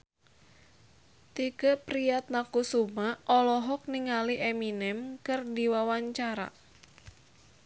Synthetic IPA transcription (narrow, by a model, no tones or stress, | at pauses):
t̪ikəpɾiat̪̚nakusumaʔɔlɔɦɔk̚niŋaliʔeminɛmkɨrdiwawaɲt͡ʃaɾa̰